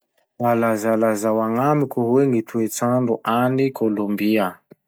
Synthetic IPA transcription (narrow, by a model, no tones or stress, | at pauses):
alazalazawaŋamikʲuɦweŋit̪ʰuet͡saɳɖ͡ʐuʔanikʰolombia